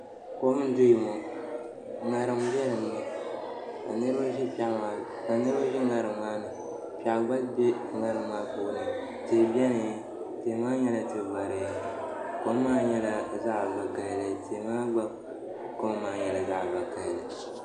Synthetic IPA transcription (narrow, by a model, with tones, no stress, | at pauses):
ko˦mɨ˦dʊ˦ji˨mo˨ | ŋa˨ɾɨ˨mbɛ˦lɨ˨nɨ˦ma˨ | ka̰˨nɨ˦ɾɨ˦o˦ʒɛ˦pa˦ʔma˨ | ka˨nɨ˦ɾo˦ʒɛ˦ŋa˨ɾɨ˨mmaː˦nɨ˨ | pa˨ʔɡ͡ba˦lbɛ˦ | ŋa˦˨ɾɨ˨mːaː˦poː˦nɨ˨ | teː˨bɛ˦nɨ˨˦ | te˨˦maː˦ɲɛ˦la˨tɨ˨ɡ͡ba˨ɾɨ˨ja˦ | ko˦m˦maː˦ɲɛ˦la˨za˦ʔba˨ka˨llɨ˨te˨maː˦ɡ͡ba˦ | ko˦m˦maː˨ɲɛ˨la˨za˦ʔba˨ka˨llɨ˨